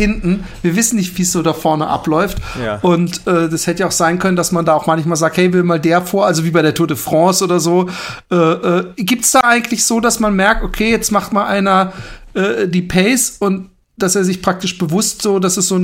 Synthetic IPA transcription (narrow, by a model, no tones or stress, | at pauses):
hɪntn̩viːɐvɪsn̩nɪçtv̥iːsz̥oːdaːfɔɐnə̰ʔa̰plɔʏftʔʊntʔɛːdashɛtəjaʊxz̥aɪnkʰœnəndasmandaːaʊxmançmaːlzaːkthɛɪvɪːmaːldeːɐfoːɐʔalzoviːbaɪɾeːɐtʰoːdəfʁ̥ɔ̃ːsʔoːdɐzoːʔɛːʔɛːɡiːp̚tsd̥aːʔaɪɡŋ̩tlɪçz̥oːdasmanmɛɐk̚tokʰeːjɛt͡stmaχtmaːlʔaɪnɐʔɛːʔdiːpʰɛɪsʊnt | d̥aseːɐzɪçpʁ̥ak̚tɪʃb̥əvʊstz̥oːdasɛsz̥oːn